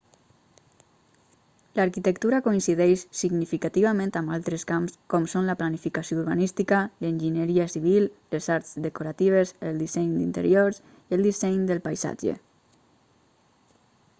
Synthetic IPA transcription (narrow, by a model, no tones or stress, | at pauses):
laɾkit̪ək̚t̪uɾakoinsiðɛʃsiɡnifikat̪iβamẽnt̪ambalˠt̪ɾeskamskɔmsonləplanifikasjouɾβanist̪ikalənʲʒinəɾiasiβ̞illezaɾzd̪əkuɾat̪iβ̞ezəlˠd̪isɛɲd̪int̪ə̰ɾjoɾs | iəlˠd̪isɛjɲd̪əlˠpajza̰d͡ʒḛ